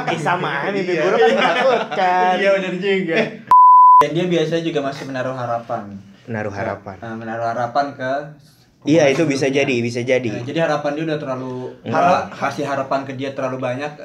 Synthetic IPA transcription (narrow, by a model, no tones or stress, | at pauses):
kisamanibiɡuɾaaut̪̚kaiaanərd͡ʒiŋɡa | dandiabiasaɲad͡ʒuɡamasɪhmənaɾʊhɦaɾapan | məna̰ɾʊɦa̰ɾa̰pa̰nəmənaɾuhɦaɾapankə | iait̪ubis̬ad͡ʒadibis̬ad͡ʒadiad͡ʒadiɦaɾapand͡ʒudat̪ərlaluhahasɪlɦaɾapankədiat̪ərlalubaɲak̚